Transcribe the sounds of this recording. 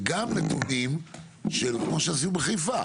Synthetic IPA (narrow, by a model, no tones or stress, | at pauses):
ɡamnetunim | ʃelkmoʃeas̬iubeχijfa